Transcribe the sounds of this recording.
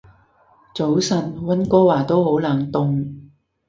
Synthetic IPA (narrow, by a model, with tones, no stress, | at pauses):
t͡so˨˥wsɐ˧nwɐ˥nkɔː˥waː˨˩t̪o˥who˨˥wlaː˨˩ŋt̪ʊ˨ŋ